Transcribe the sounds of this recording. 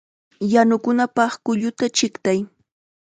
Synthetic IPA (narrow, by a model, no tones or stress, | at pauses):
janʊkʊnapɑχkʊʎʊt̪at͡ʃɪkt̪aj